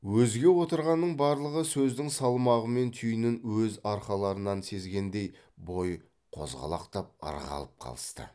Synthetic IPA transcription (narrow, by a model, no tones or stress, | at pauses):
wɵzɡʲe̞wo̞t̪əɾʁɑnːəɴbɑɾlˠəʁəsɵzd̪ɪŋsɑlˠmɑʁəme̞nt̪ʰyjnɪnwɵzɑɾχɑlˠɑɾənɑnse̞zɡʲe̞nd̪e̞j | bo̞j | qʰo̞̰zʁɑ̰lˠɑ̰qt̪ɑp̚ɑ̰ɾʁɑ̰lˠəp̚qʰɑ̰lˠə̥st̪ə̰